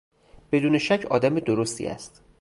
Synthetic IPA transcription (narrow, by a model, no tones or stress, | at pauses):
b̥e̞d̪uːne̞ʃæcʰɒ̰ːd̪æmed̪oɾost̪ḭːæ̰st̪